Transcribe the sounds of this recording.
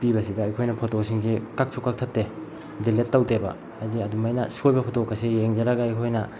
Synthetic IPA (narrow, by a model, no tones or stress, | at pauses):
pibɐsidɐːjkʰojnɐpʰotosiŋsikak̚sʰukːak̚tʰɐp̚te | dilet̚ːawtebɐ̰ | diɐdumajnɐsojbɐpʰotokʰːasijeŋd͡ʒɐɾaɡaɐjkʰojnɐ